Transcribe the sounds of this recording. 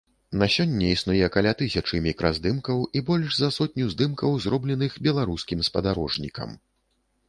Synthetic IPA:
nɐsʲɔnʲːɛisnujɛkalʲat̪ɨsʲɐt͡ʂɨmʲikɾɐzd̪ɨmkɐwʔibɔlʲʐzɐsɔt̪̚ʲnʲuzd̪ɨmkɐwzrɔblʲɛnɨxbʲɛlˠaɾuskʲimspɐd̪aɾɔʐnʲikɐ̰m

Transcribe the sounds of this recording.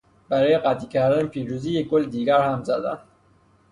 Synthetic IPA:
b̥aɾɔːjeqat̪ikʰæɾd̪anepʰiːɾuziːjekːolːd̪iːɡæɾhamzad̪a̰n

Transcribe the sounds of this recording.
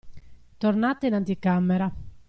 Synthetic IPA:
t̪ornat̪ːeinant̪ikːamːeɾa

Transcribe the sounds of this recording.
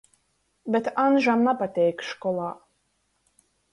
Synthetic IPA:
bʲɛt̪anʒamnapat̪ʲɛjkʃkɔlˠɑː

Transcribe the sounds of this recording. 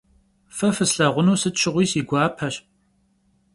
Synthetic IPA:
fɐfɨsɬɐʁʷʊnuːsɨtt͡ʃʰɪʁʷiːsiːɡʷɑːpʰɐɕ

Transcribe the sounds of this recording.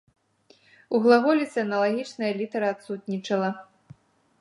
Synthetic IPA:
uɣlˠaɣɔlʲisʲɛɐnɐlˠaɣʲit͡ʂnɐjɐlʲit̪ɐɾɐat̪sut̪nʲit͡ʂɐlˠɐ

